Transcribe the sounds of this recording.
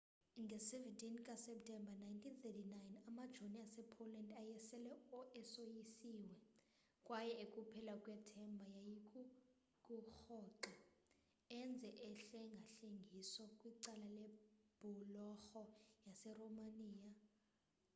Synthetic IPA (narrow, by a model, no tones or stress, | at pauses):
ŋɡʱɛsɛvɛntʼinkʼasɛp̚tʰʼɛmbanajntʰinθʰɛtinajnamad̥ʒ̥ʱoniasɛpʰolandajɛsɛlɛɔʔɛsojisiːwɛ | kʼwajɛekʼupʰɛlakʼwɛtʰɛmbʱajajikʼu | kʼuxɔːǁa | ɛnd͡zʱɛʔɛɬɛŋɡʱaɬeŋɡʱisɔkʼwiǀalalɛb̥ʱulɔxɔjasɛromaniːja